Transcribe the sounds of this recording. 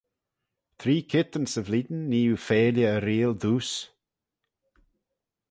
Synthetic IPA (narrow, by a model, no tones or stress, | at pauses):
t̪ʰɾiːkʰɪt̪ənsəvliːd̪nːiːufeːljəːɾiːld̪uːs